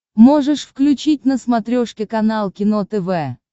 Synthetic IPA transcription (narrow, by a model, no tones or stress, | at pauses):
moʐɨʂfklʲʉt͡ɕit̚ʲnəsmɐt̪ɾʲoʂkʲɪkɐnalˠkʲɪnot̪ɛvɛ